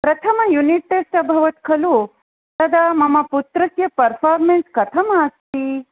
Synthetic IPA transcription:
pɾɐt̪ʰɐmɐjuniʈ̚ʈesʈɐbʱɐʋɐt̪kʰɐlu | t̪ɐd̪ʱamɐmɐput̪ɾɐkjɐpɐɾfʰaːɾmenskɐt̪ʰɐmɐːst̪iː

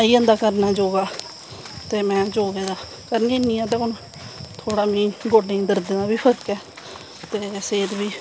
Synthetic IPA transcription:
iːə̃nd̪aːkəɾnaːd͡ʒoːɡaː | t̪eːmɛ̃ːd͡ʒoːɡeːd̪aː | kəɾəneːnĩːɛ̃ːt̪ãːkʊnõ | t̪ʰoːɽaːmĩːɡoːɖẽːd̪əɾd̪eːnãːbiːpʰəɾkɛː | t̪eːseːt̪biː

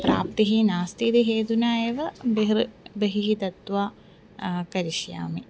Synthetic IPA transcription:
pɾa̰ːp̚t̪iɦinaːst̪it̪iɦeːd̪unaːjeːʋɐbeɦɾbɐɦiɦit̪ɐt̪ʋaː | kɐɾiʃja̰ːmi

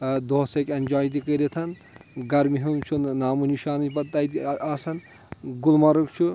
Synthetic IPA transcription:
d̪oɦsɐkɐnʲd͡ʒaːjt̪̬ikəɾet̪ʰɐn | ɡɐɾmiɦumt͡ʃʰunnaːmuniʃaːnipɐt̪ːat̪iaːsɐn | ɡulmɐɾukt͡ʃʰu

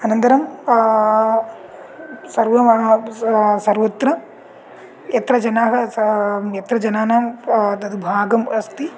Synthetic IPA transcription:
ɐnɐnt̪ɐɾɐm | sɐɾʋɐ | sɐɾʋɐt̪ɾɐ | jɐt̪ɾɐd͡ʒɐnaːɦɐ | jɐt̪ɾɐd͡ʒɐnaːnad̪ɐd̪ubʱaːɡɐmɐst̪i

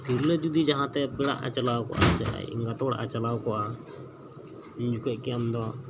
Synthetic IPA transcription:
t̪iɾləd͡ʒud̪id͡ʒaɦãt̪ɛpɛɽa̰ʔa̰t͡ʃalawkɔ̰ʔa̰t͡ʃɛ̰a̰jḭŋɡat̪ɔɽa̰ʔat͡ʃalawkɔʔa | ɲd͡ʒukɛʔkɛamd̪ɔ

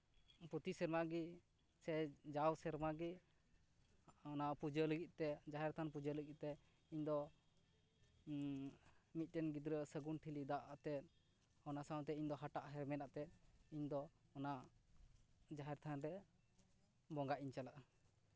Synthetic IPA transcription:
put̪isɛɾmaɡi | sɛd͡ʒawsɛɾmaɡi | ɔnapud͡ʒələɡit̪̚t̪ɛd͡ʒaɦɛɾt̪ʰanpud͡ʒələɡit̪̚t̪ɛ | iɲd̪ɔ | mit̪̚ˀʈɛnɡid̪ɾəsəɡunʈʰilid̪aʔat̪ɛt̪̚ | ɔnasaw̃t̪ɛiɲd̪ɔɦaʈaʔɦɛɾmɛnaʔt̪ɛt̪̚iɲd̪ɔɔnaʔ | d͡ʒaɦɛɾt̪ʰanɾɛ | bɔŋɡaʔiɲt͡ʃalaʔa

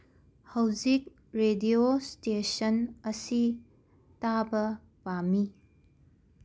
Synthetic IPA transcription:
hɐwzik̚ | ɾediostesɐnɐsi | tabɐ | pami

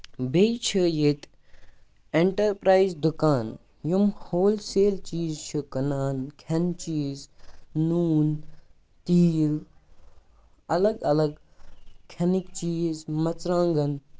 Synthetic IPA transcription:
bet͡ʃʰəjet̪ | eɳʈɐɾpɾaːizd̪ukaːn | jumhoːlseːlt͡ʃiːzt͡ʃʰɨkɐnaːnkʰɐnt͡ʃiːznuːn | t̪iːl | ɐlɐɡɐlɐɡkʰenikt͡ʃiːzmɐt͡sɾãːŋɡɐn

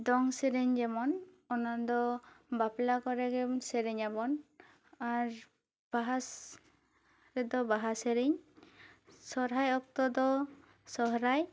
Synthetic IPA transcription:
d̪ɔŋseɾiɲd͡ʒɛmɔn | ɔnand̪ɔbaplakɔɾɛɡɛseɾiɲabɔn | aɾ | b̥aɦas | ɾɛd̪ɔbaɦaseɾiɲ | sɔɾɦajɔk̚t̪ɔd̪ɔ | sɔɦɾaj

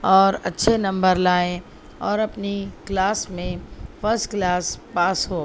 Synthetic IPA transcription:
ɔːɾɐ̰tːʃʰenɐ̃mbəɾlaːẽ | ɔːɾɐpniklaːsmẽfʰɐɾsʈklaːspaːsɦoː

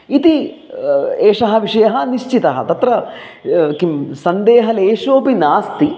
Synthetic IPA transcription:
it̪i | eːʂɐɦɐʋiʂɐjɐɦɐ̆niʃt͡ʃit̪ɐɦɐ̰t̪ɐt̪ɾɐ | kimsɐnd̪eːɦɐleːʂoːpinaːst̪i

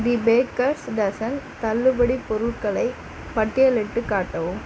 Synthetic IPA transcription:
d̪ɪbeːkɐɾsɖɐsɐnt̪ɐlːɯbɐɽipɔɾɯʈkɐɭɐɪ | pɐʈːɪjɐlɛʈːɯkːaːʈːɐʋɯm

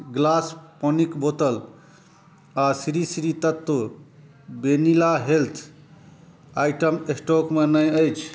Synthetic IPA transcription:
ɡlaspənikbot̪əl | asiɾisiɾit̪ət̪ːə | benilaɦelt̪ʰ | ajʈəmesʈokmenəjəjt͡ʃʰ

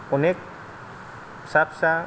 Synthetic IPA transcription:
ɔnek̚ | sapsa

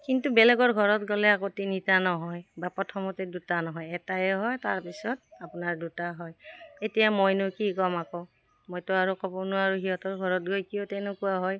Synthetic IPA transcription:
kintubɛlɛɡɔɹɡʱɔɹɔtɡɔlɛakotinitanɔɦɔjbapɹɔtʰɔmɔtɛdutanɔɦɔjɛtajɛɦɔjtaɹpisɔt̚apʊnaɹdutaɦɔjetijamɔjnʊkikɔmakɔ | mojtʊaɹukɔbɔnʊaɹuɦiɦɔtɔɹɡʱɔɹɔt̚ɡojkijotɛnʊkuwaɦɔj

